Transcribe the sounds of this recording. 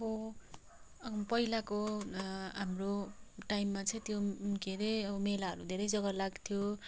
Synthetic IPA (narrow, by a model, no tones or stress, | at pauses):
ʌbʌ | ʌʌpʌilako | ɦamroʈajmːat͡sʌ̃j̃t̪joɡeɾʌjʌbʌmelaɦʌɾud̪ʱeɾʌjd͡zʌɡʌlaɡt̪ʰjo